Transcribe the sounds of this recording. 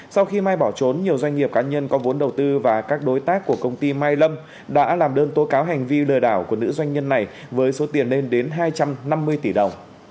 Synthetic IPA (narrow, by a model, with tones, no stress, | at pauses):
sa˧wxi˧maː˧jɓɔ˧˩t͡ɕo˨˦nɲi˨˩əwzwa˧jŋ̟ŋi˨˩əp̚kaː˨˦ɲə˧nkɔ˨˦vo˨˦nɗə˨˩wt̪ɨ˧vaː˨˩kaː˦˥k̚ɗo˨˦jt̪aː˦˥kːu˧˩əkə˧wŋ͡mt̪i˧maː˧jlə˧m | ɗa̰ː˧˥laː˨˩mɗəː˧nt̪o˨˦jkaː˨˦wɦa˨˩jŋ̟vi˧ləː˨˩jɗaː˧˩wku˧˩ənɨ̰˧˥zwa˧jŋ̟ɲə˧nːa˨˩j | vəː˨˦jso˨˦t̪i˨˩ənːe˧nɗe˨˦nɦaː˧jt͡ɕa˧mna˧mːɨ˧əjt̪i˧˩ɗə˨˩wŋ͡m